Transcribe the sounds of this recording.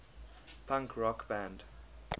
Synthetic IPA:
pʰãŋkʰɹɔkb̥æ̃nd

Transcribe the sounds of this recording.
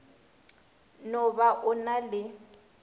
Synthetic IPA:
nɔβaʔʊnalɪ

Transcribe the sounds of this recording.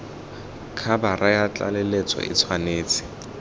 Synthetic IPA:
kʰabarʔajat͡ɬʼa̰lɛlet͡sʼɔ̰ʔɪ̰t͡sʰwaneːt͡sʼɪ̥

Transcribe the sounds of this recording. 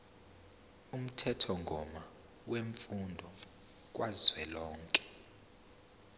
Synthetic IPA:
um̩tʰɛtʰɔŋɡʱɔma | weɱfundʱɔ | k̬waziwɛlɔːŋkʼɛ̥

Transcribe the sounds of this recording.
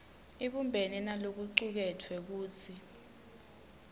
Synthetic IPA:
iɓumbʱeninalok̬uǀuk̬ɛtʰwɛk̬uːtʰi

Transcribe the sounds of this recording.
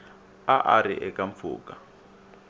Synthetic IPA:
aʔaɾḭʔɛkʼaɱfṵːkʼa

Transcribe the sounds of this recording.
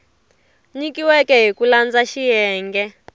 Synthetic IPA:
ɲikiwɛkɛɦikuland͡zaʃijɛːŋɡɛ

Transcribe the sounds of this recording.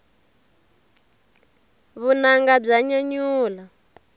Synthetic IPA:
βunaŋɡab͡ʐaɲaɲuːla

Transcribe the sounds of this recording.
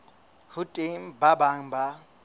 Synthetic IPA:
hʊtʼɪŋ̩babaŋ̩ba

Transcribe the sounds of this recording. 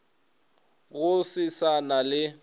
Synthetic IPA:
ɣʊsɪsanalɪ

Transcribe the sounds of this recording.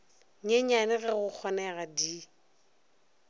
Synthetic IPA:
ɲeɲanɪɣɛɣʊk͡xʰɔnɛɣadi

